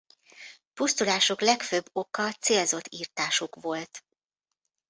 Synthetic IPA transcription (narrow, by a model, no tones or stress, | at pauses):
pust̪ulaːʃoklɛkføbːo̞kɒt̪seːlzo̞t̪ːiːrt̪aːʃokʋo̞lt̪